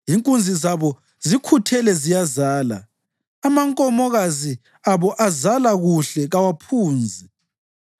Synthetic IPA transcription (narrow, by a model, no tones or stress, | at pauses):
ɦiŋkʼund͡zʱizaβɔ | zikʰutʰɛlɛzijazaːla̰ | amaŋkʼɔmɔɣazi | aβɔʔazalaɣuɬɛɣawapʰuːnd͡zʱi